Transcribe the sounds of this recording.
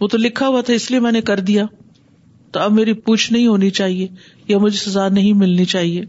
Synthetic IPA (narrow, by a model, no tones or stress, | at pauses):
ʋõt̪olɪkʰːaɦuat̪ʰaɪsliemɛ̃ːnekɐɾd̪ija | t̪oɐbmeːɾipuːt͡ʃʰnɐɦĩɦoːnit͡ʃaːɦie | jamʊd͡ʒʱesɐzaːnɐɦĩmɪlnit͡ʃaːɦieː